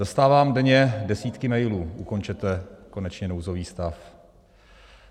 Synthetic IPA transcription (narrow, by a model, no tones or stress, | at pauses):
ast̪aːvaːmdɛɲɛdɛsiːt̪kɪmɛjluːʔuko̞nt͡ʃɛt̪ɛko̞nɛt͡ʃɲɛnowzoviːst̪af